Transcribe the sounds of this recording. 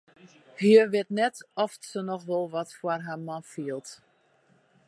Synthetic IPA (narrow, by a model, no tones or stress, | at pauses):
hiəʋɪtnɛtɔfsənɔxʋɔlˠʋɔtfwarɦamɔnfiəlˠt